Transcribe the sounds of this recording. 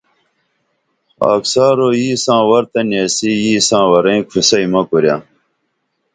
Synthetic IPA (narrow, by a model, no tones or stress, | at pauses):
a̰ːksaːɾoːjiːsãːwɐɾt̪ɐnjɐsijiːsãːwɐɾɐ̃ĩkʰusɐimɐkuɾjãː